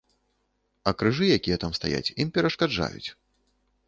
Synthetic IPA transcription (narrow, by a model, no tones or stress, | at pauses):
ɐkɾɨʐɨjakʲijɛt̪amst̪aja̰t͡sʲimpʲɛɾɐʂkad͡ʐa̰jṵt͡sʲ